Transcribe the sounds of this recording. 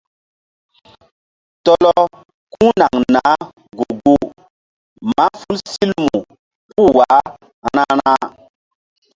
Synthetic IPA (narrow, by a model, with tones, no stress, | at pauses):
tɔ˦lɔ˦ | kũ˦na˨ŋna˨˦ | ɡu˨ɡu˦ | ma˦fu˦lsi˦lmu˨ | pu˦˨wa˨˦ | ha˦ɾa˦ɾa˦